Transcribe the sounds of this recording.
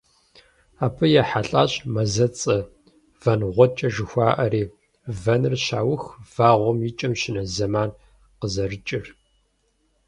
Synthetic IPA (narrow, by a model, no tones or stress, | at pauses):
aːpʰɨjɛħaɬʼa̰ːɕʼmɐzɐt͡sʼɐ | vɐnʁʷɔt͡ʃʼɐʒɨxʷaːʔɐɾiː | vɐnɨrɕaːwʊxv̥aːʁʷɔmjɪt͡ʃʼɐmʃɪnɐzɐmaːn | qəzɐrɨt͡ʃʼɪr